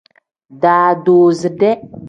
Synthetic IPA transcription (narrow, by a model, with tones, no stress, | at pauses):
daː˨do˨zɨ˨de˦